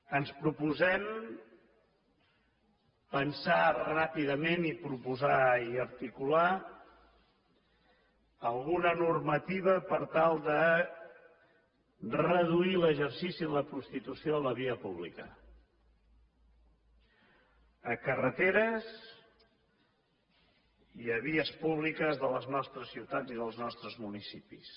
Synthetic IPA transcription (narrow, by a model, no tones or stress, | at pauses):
ənspɾupuzɛm | pənsarapiðəmenipɾupuzaiəɾt̪ikula | əlˠɣunənurmət̪iβ̞əpəɾt̪alˠd̪ə | rəðuiləʒəɾsisiðələpɾust̪it̪usioələβ̞iəpuβlḭkə | əkərət̪eɾəz | iəβ̞iəspuβlikəzðələznɔst̪ɾəsiwt̪ad͡ziðəlˠznɔst̪ɾəzmunisipis